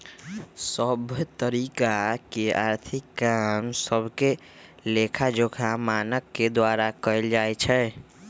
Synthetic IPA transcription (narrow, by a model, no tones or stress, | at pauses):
səbʱt̪əɾikakeaɾt̪ʰikːamsəbʱke | lekʰad͡ʒokʰamanəkːed̪waɾakəjld͡ʒajt͡ʃʰɛ